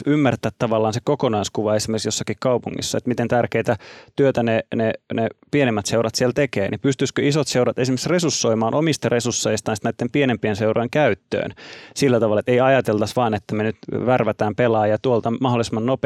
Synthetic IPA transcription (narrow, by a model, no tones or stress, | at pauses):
ymːært̪æːt̪t̪ɑʋɑlːɑːnsekokonɑiskuʋɑesimerksjosːɑkikkɑupuŋːḭsːɑḛt̪mit̪ent̪ærkeit̪æt̪yøt̪ænenenepienemːæt̪seuɾɑt̪sielt̪ekeːnipyst̪yskøisot̪seuɾɑt̪esimeksresusːoimɑːnʔomist̪ɑresusːojst̪ɑnsit̪næˑit̪ːempienempienseuɾojŋkæyt̪ːø̰ːnsilːæt̪ɑʋɑlːɑet̪eiɑjɑt̪elt̪ɑsʋɑːnet̪ːæmenyt̪ʋærʋæt̪æːmpelɑːjɑt̪uolt̪ɑmɑɦolːˑisemːɑnnop